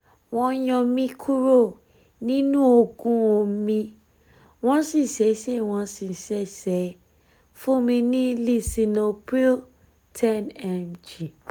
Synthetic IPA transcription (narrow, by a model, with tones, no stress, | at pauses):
w̃ɔ̃˧˦jɔ̃˧mĩ˧kʰu˦ɾo˦˨ | nĩ˦nũ˦o˧ɡũ˧o˧mĩ˧ | w̃ɔ̃˦si˦˨sɛ˨˦sɛ˦˨w̃ɔ̃˧si˨sɛ˦sɛ˨˦ | fũ˦mĩ˧nĩ˦li˦˨si˨no˨pi˦l | tʰɛ˦˨nɛ˨md͡ʒi˨